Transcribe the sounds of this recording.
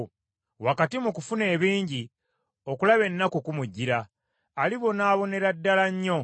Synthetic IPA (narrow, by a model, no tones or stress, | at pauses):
wakatimukufune̞ːβiːɲɟi | o̞kulaβe̞nːakukumuɟːiɾaː | liβo̞naːβo̞ne̞ɾadːalaɲːo̞